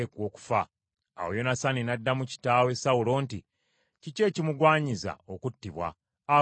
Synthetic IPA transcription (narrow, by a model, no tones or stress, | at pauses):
ekwo̞ːku̥fa | a̰wo̰jo̞nasaninadːamuci̥taːwe̞sawulo̞ːnti | cice̞ːcimuɡwaːɲiza̰o̞kutːiβwa̰ː